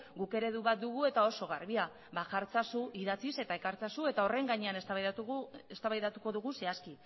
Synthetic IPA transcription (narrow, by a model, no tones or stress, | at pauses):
ɡuke̞ɾe̞ðuβat̪̚d̪uɣ̞ue̞t̪ao̞so̞ɣ̞arβia | baʝaɾt͡sasuʔiðat͡sise̞t̪aekaɾt͡sasue̞t̪ao̞re̞ŋɡaɲe̞anes | est̪aβajðat̪uko̞ðuɣuse̞aski